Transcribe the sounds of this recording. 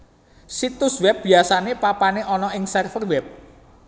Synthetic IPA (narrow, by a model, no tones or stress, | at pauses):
sit̪ʊswɛp̚b̥i̤asanepapaneʔɔnɔɪŋsɛrfərwɛp̚